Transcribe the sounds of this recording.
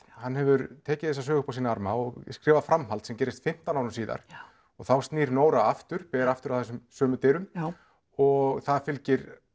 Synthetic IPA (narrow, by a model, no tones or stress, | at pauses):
hanːɦɛvʏɾt̪ʰɛːcɪθɛsːasœːɣʏhpawsiːnaaɾmaɔɣskɾɪːvaðfɾamɦalt̪sɛmcɛːɾɪst̪fɪm̥t̪anaːɾʏmsiːða̰ɾ̥ | ɔɣθawst̪niːɾnoːwɾaaft̪ʏɾ̥pɛːɾaaft̪ʏɾawθɛsʏmsœːmʏt̪ɪːɾʏm | ɔɣθaðfɪlcɪɾ